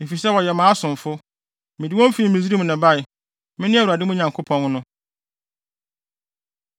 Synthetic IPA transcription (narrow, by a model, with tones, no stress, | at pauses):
e˨fi˨sɛ˦wɔ˨jɛ˨mãː˨˦sʊ̃˨ɱ˨fʊ˦ | mɪ̃˨di˨wɔ̃˦m˦fi˦˨˦mĩ˨z̬i˦ɾi˦mũ˨nã˨ba˦˨ɪ˨ | mɪ̃˦nɪ̃˦a˦˨wa˨dɪ˦mʊ̃˦ɲã˨ŋkʰʊ˦pʰɔ̃˦n˦nʊ̃˦